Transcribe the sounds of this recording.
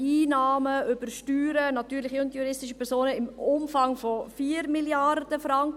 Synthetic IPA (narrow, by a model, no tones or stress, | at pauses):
iːnɑːməʏb̥əʃtyːɾənɑtyːɾlɪχiʊntjuɾɪstɪʃəpʰɛɾsoːnəɪmʊmfɑŋfɔfiːɾmiljɑrd̥əfɾɑŋk